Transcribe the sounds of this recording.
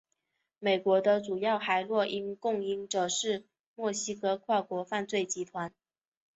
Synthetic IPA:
me˨˩ɪkwɔ˧˥d̪ə˧ʈ͡ʂu˨˩jɑ˥˩ʊxa˧˥ɪlwɔ˥˩ʔi˥nkʊ˥˩ŋi˧˥ŋʈ͡ʂɤ˨˩ʂɻ̩˥˧ | mwɔ˥˩ɕi˥kɤ˧˥kʰwa˥˩kwɔ˧˥fa˥˧nt͡swe˥˩ɪt͡ɕi˧˥t̪ʰwa˧˥n

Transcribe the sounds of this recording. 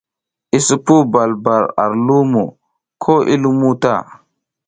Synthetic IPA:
i˦su˨pu˦ba˨lba˨ɾa̰˨ɾlu˦mo˨ | kʰo˦ʔḭ˦lu˦mu˦ta̰˦˨

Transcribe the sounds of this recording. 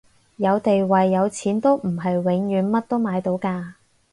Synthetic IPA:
jɐ˨˧wt̪e˨jwɐ˨jːɐ˨˧wt͡sʰiː˨˥nt̪o˥wm̩˨˩ɦɐ˨jwɪ˨˥ŋjyː˨˧˥nmɐ˥t̚t̪o˥wmaː˨˧jt̪o˨˥wkaː˧

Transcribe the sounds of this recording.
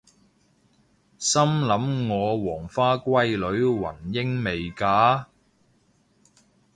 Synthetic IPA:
sɐ˥mlɐ˨˥mŋɔː˨˧wɔː˨˩ŋfaː˥kʷɐ˥jlɵ˨˥ɥwɐ̰˨˩njɪ˥ŋme˨jkaː˨˥

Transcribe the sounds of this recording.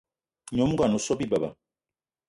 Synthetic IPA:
ɲɔ˨˦mu˦ɡa˨nɔ˨sɔ˦bi˦ba˨ba̰˨

